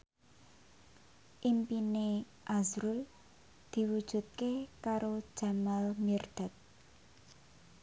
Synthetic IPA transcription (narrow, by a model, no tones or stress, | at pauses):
ʔimpine | ʔazɾul | d̪̥i̤wud̥ʒ̥ṳt̪̚kekaɾo̥ʒ̥a̤malmird̪̥a̤t̪̚